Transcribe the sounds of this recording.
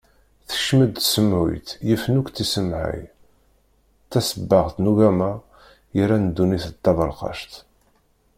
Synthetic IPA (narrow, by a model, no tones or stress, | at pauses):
θə̥ʃməd̪̚t̪səmʕṵjt̪jəfənukʷt̪isəmʕa̰j | t̪ːæsəbːəʁθnuʝæma | jəɾænəd̪ːuniθət̪ːɑðˤəlqɑ̰ʃt̪